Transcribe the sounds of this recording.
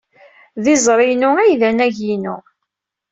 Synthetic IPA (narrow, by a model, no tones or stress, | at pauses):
ðɪzˤɾˤɪnʊæjðænæʝinʊ